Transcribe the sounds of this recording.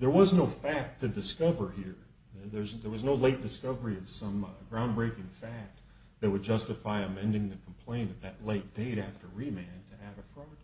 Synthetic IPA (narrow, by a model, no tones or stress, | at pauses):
ðə˞wʌznoʊfæk̚tʰɨdɨskʌvə˞hiɹ | ðə˞zðə˞wʌznoʊleɪt̚d̥ɨskʌvə˞iʌv̥sʌ̃mɡɹãʊ̃nbɹeɪkɪ̃ŋfæk̚t̚ | ðɨt̚wɨd̚d͡ʒʌstɨfaɪɨmɛ̃ndɪ̃ŋðɨkʰm̩pʰl̥ẽɪ̃nɨt̪̚ðɨtˡleɪt̚d̥eɪɾæftə˞ɹimæ̃ntʰɨæɾɨfɹʌ̃t̚